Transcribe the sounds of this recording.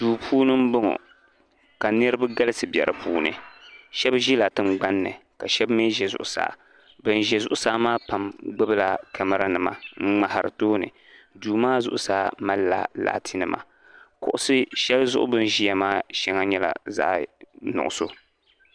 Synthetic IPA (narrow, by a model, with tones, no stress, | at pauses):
duː˨pʰuː˦nɨ˦m̩˦bʊ˦ŋɔ̰˨ | ka˨nɨ˦ɾɨ˦ba˦ɡa˦lɨ˦sɨ˨bjɛ˨ɾɨ˨puː˦nɨ̰˨ʃɛ˦bʒi˦la˨tɨ˦mɡ͡ba˦nːɨ̰˨ka˨ʃɛ˦bme˦ʒɛ˨zʊ̰˨ʔʊ˨sa̰ː˦˨ | bɨ˨n˨ʒɛ˨zʊ˦ʔʊ˦saː˦maː˦pa˨mɡ͡bɨ˦bɨ˦la˨kɛ˨mɨ˦ɾa˦nɨ˨ma̰˨ŋ͡m̩˦ŋ͡ma˨ha˨ɾɨ̰˨toː˦nɨ̰˨ | duː˨maː˦zʊ̰˨ʔʊ˦saː˦ma˦lːa̰˨la̰ː˨tʰi˦nɨ˨ma̰˨ | kʊ˨ʔʊ˦sɨ˦ʃɛ˦lzʊ˦ʔʊ˦bɨ˦n˦ʒi˦ja˨maː˦ʃɛ˦ŋa˦ɲɛ˦la̰˨za̰˦ʔnʊ̰˨ʔʊ˨so̰˦